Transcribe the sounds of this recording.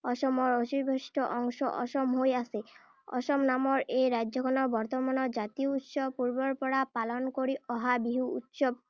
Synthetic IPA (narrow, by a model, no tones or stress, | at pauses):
ɔʃɔmɔɾosiɾbʱesʈʰɔʔɔŋʃɔʔɔʃɔmɦojase | ɔ̰ʃɔmnamɔɾeɾad͡ʒd͡ʒɔkʰɔnɔbɔɾt̪ɔmanɔd͡ʒat̪iout̪ʃɔpuɾbɔɾpɔɽapalɔnɔkoɾiɔɦabiɦuut̪ʃɔb̚